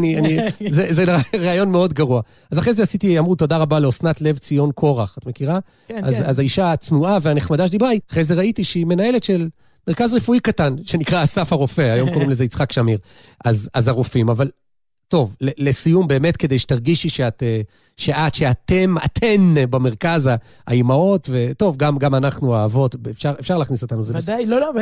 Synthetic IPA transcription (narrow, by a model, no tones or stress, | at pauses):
nianizezeʁeːjo̞nmeo̞d̪ɡaʁua | azaχʁejzeasitiamʁut̪o̞daʁabaleosnat̪le̞vt͡sijo̞nkʰo̞ʁaχat̪me̞kiʁa | azazaiʃaːt͡snuaveaneχmad̪aʃed̪ibaiaχʁezeʁaitiʃeime̞nae̞le̞tʃe̞l | meʁkazʁefuikatanʃe̞nikʁasafaʁofe̞ajo̞mkoimle̞zeit͡sχakʃamiʁ | ʔazazaʁufimaval | to̞vlele̞sijumbe̞ːme̞tkede̞jʃe̥t̪aʁɡiʃiʃeate | ʃe̞ʔat̪ʃeat̪e̞ma̰tʰe̞nbame̞ʁkaza | aimao̞tve̞to̞vɡamɡamanaχnuaːvo̞tefʃaʁefʃaʁlaːχniso̞t̪anuzev